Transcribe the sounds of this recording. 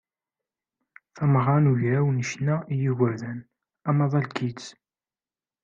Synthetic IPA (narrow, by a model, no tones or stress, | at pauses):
θæmʁɑnuʝɾæwnəʃnæijiɣəɾðæn | æmɑðˤɑlkʰit͡s